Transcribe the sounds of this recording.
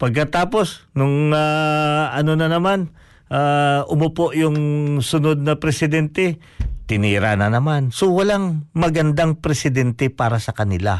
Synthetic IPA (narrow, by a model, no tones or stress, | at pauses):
pɐɡ̚kːɐt̪aːpo̞snʊŋaɐnonɐnɐman | ʔaʔʊmʊpoʔjʊŋsʊnod̪̚nɐpɾɛsɪd̪ɛnt̪ɛ | t̪ɪniːɾa̰nɐnɐmansowɐlaŋmɐɡɐnd̪aŋpɾɛsɪd̪ɛnt̪ɛpaːɾɐsɐkɐnɪla̰